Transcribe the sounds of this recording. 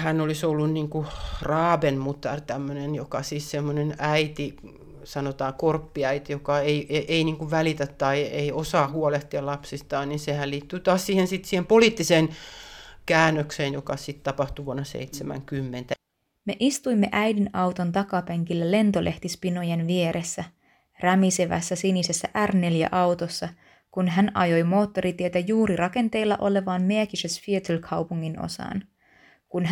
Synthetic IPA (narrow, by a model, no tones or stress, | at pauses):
hænolisolːunniːŋkurɑːbenmut̪ɑ̰rt̪æmːønenjokɑsiːssemːonenæit̪i | sɑnot̪ɑːkorpːiɑit̪ijokɑeieʔeiniːŋkuʋʋælit̪æt̪tɑieiosɑːhuoleht̪iɑlɑpsist̪ɑːnninsehælliːt̪ːyːt̪ɑːssiːhensit̪siːhempoliːˑt̪ːiseːn | kæːnːøkseːnjokɑsit̪t̪ɑpɑht̪uʋuonːɑsḛit̪semæ̰ŋkymːent̪æ | me̞ʔist̪ujmːe̞ʔæjdinɑwt̪o̞nt̪ɑkɑpeŋkilːæle̞nt̪o̞lʔe̞ht̪ispinojenʋie̞ɾʔe̞sːæ | ræmiseʋæ̰sːæsinise̞sːæʔærne̞ljæ̰ʔɑwt̪o̞sːɑ | kunɦænɑ̰jo̞jmo̞ːt̪ːo̞ɾit̪iet̪æjuːɾirɑke̞nt̪e̞jlːɑʔo̞le̞ʋɑːnmeækisesfiet̪elkʰɑwpuŋːino̞̰sɑ̰ːn | kunɦ